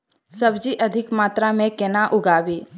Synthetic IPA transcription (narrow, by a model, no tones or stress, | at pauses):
səbd͡ʒiʔəd̪ʱɪkmaːt̪ɾamẽkenaʔʊɡaːbiː